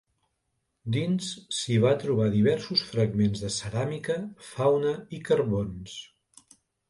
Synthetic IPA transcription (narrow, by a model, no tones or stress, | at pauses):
d̪insːiβ̞at̪ɾuβ̞aðiβ̞ɛɾsusfɾəɡmenzðəsəɾamikəfawnəikərβons